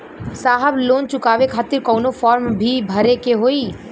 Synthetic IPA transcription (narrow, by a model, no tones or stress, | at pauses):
saːɦəbloːnt͡ʃʊkaːʋekʰaːt̪ɪɾkɔʊnofʰɔːɾmbʱibʱəɾekeɦoːi